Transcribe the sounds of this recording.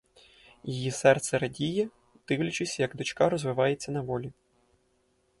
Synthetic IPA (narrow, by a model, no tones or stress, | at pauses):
jijisɛrt̪sɛɾɐdʲijɛ | d̪̥ɪwlʲɐt͡ʃʊsʲjɐɡd̪ɔt͡ʃkɑɾɔzʋɪʋɑjet͡sʲːɐnɐʋɔlʲi